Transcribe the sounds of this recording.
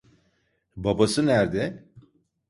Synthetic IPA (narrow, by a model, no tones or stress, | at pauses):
babasɯnæɾd̪ɛ